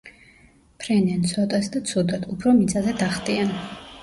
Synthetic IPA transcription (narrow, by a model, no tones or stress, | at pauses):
pʰɾɛniant̪sʰɔt̪ʼasd̪at̪sʰud̪ad̪ʰupʰɾɔmit̪sʼazɛd̪aχd̪ʼian